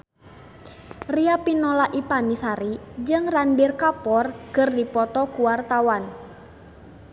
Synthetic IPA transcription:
riapinɔlaʔipanisaɾid͡ʒɨŋranbirkapɔrkɨrdipɔt̪ɔkuwart̪awan

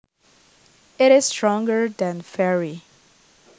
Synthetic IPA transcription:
ɪɾɪz̥stɹɔ̃ŋɡə˞ðæ̃nfɛɹi

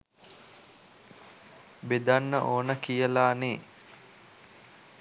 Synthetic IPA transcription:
bed̪anːəʔoːnəkijəlaːneː

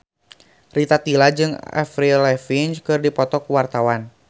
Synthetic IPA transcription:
rit̪at̪ilad͡ʒɨŋa̰fɾilɛfint͡ʃkɨrdipɔt̪ɔkuwart̪awan

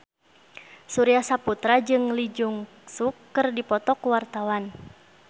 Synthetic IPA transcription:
suɾiasaput̪ɾad͡ʒɨŋlid͡ʒuŋ | sukːərdipɔt̪ɔkuwart̪awan

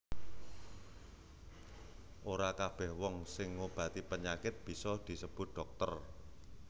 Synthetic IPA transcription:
ʔoɾakab̥ɛhwɔŋsɪŋːob̥ä̤t̪ipəɲakɪt̪̚b̥i̤sɔd̪̥i̤səb̥ʊ̤t̪̚ɖ̥ɔ̤k̚t̪ər

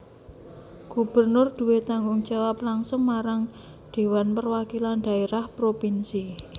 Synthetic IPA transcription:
ɡ̥ṳb̥ərnʊrd̪̥ṳwet̪aŋɡʊŋd̥d͡ʒ̥awaplaŋsʊŋmaɾaŋ | ɖ̪̥e̤wanpərwakiland̥̪a̤eɾahpɾopinsi

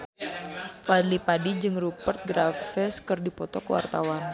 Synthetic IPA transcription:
fad̪lipadid͡ʒɨŋrupərt̪̚ɡɾafɛskɨrdipɔt̪ɔkəwa̰rt̪awan

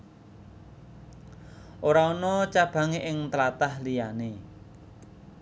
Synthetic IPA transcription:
ʔoɾaɔnɔt͡ʃab̥a̤ŋeʔɪŋt̪əlat̪ahlijane

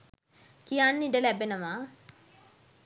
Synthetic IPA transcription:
kijanːiɖəlæbenəʋaː

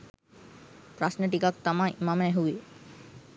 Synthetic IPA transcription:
pɾasneʈikak̚t̪amaimamɛɦui

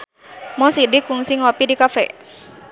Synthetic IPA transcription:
mɔsidikuŋsiŋɔpidikafɛ̰

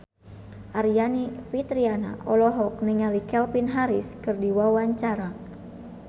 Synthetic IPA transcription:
ʔaɾianipit̪ɾiana̰ʔɔlɔɦɔk̚niŋalikɛlpinɦaɾiskɨrdiwawaɲt͡ʃaɾa

